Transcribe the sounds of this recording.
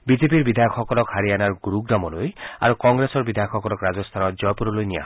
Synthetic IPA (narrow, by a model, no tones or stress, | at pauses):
bid͡ʒep̬iɾbid̪ʱajɔkʰɔkɔlɔkhaɾianaɾɡɾuɡnamɔloja̰ɾukɔŋɡɾesɔɹbid̪ʱajɔkʰɔkɔlɔkɾad͡ʒɔst̪ʰanɔd͡ʒɔjpuɾɔlojnija̰